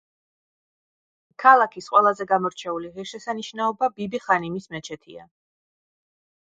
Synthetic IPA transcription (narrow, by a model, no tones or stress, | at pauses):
kʰalˠakʰisqʼwɛlˠazɛɡamɔɾt͡ʃʰɛuliʁiɾʃɛsaniʃnaɔbabibiχanimismɛt͡ʃʰɛt̪ʰḭa̰